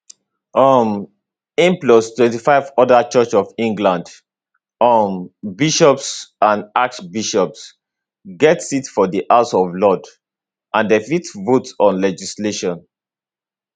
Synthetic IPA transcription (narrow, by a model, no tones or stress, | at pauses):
ʔʌm | ĩmplɔstwɛ̃ntifaɪvɔdat͡ʃɜt͡ʃɔvĩŋɡlãnd | mbiʃɔpsãnak̚ʃbiʃɔps | ɡɛtsitfɔdiʔaʊsɔvlɔd | ʔãndefitvotsɔ̃nlɛd͡ʒisleʃɔ̃n